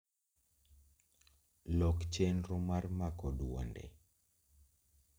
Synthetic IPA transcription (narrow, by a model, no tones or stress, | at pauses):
lɔkt͡ʃenɾomarmakɔdwɔ̰ndɛ̰